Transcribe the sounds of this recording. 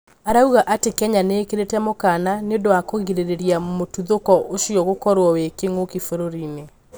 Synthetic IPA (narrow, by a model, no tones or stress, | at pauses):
aɾauɣaʔatekɛɲaneːkeɾetɛmokananeodowakoɣiɾeɾeɾiamotuðokɔʔoʃiɔɣokɔɾwɔwekeŋokifoɾoɾine